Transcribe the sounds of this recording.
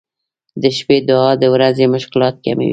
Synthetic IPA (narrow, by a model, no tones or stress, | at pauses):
d̪əʃped̪ʊɑd̪əwɾazemʊʃkɪlɑt̪̚kamḭwi